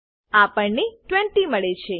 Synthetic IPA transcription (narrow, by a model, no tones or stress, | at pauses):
apəɳniʈʋɛ̃ɳʈiməɭet͡ʃʰe